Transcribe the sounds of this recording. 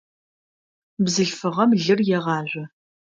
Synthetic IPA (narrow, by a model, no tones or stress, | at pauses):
bzɨɬfɨʁɐmɮɨrjɛʁɑːʒʷɐ